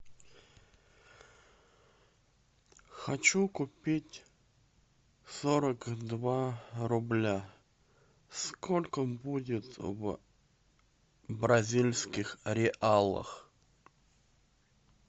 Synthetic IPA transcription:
xɐt͡ɕukʊpʲitʲ | soɾəkd̪vaɾʊblʲa | skʰolʲkəbudʲɪt̪v | bɾɐzʲilʲsʲkʲɪxɾʲɪʔalˠə̰x

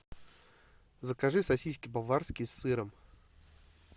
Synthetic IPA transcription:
zəkɐʐɨsɐsʲijs̬kʲɪbɐvarskʲɪjsːɨɾəm

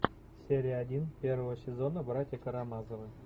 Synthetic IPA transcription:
sʲeɾʲijadʲinpʲervəvəsʲezonəbəɾat̪ʲekəɾamɑzəvə

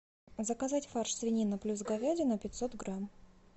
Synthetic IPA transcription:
zəkɐzatʲfarʂsvʲɪnʲinəplʲus̬ɡɐvʲadʲɪnəpʲɪt̪ʲsot̪ɡɾam

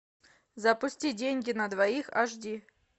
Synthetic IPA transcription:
zɐpʊsʲtʲidʲenʲɡʲɪnəd̪vɐixɐ̰ʐdʲi

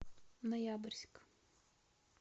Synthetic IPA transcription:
nɐjabɨrʲsʲk

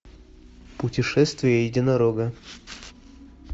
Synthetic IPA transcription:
pʊtʲɪʂɛst̪vʲɪjəjɪdʲɪnɐɾoɡɐ

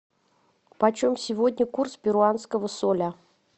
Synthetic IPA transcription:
pɐt͡ɕomsʲɪvodʲnʲəkurspʲɪɾʊant̪skəvəsolʲə

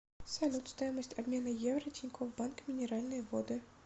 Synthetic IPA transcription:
sɐlʲut̪st̪ɔjɛməsʲtʲɐbmʲenɨjɛvɾɐtʲɪnʲkʰɔvbankmʲɪnʲɪɾalʲnəjvɔd̪ɨ

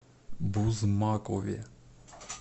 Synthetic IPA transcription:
buzmakʼoʋɛ̰

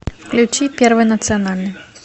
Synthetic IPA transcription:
fklʲut͡ʃipʲɛrvɨnɐt̪sɨjanalʲnɨ

